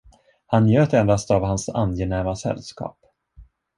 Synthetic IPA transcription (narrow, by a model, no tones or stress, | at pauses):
hanjøːt̪ɛnd̪ast̪avɦansa̰nːjɛnæːɾmasɛ̰lːskɑ̰ːp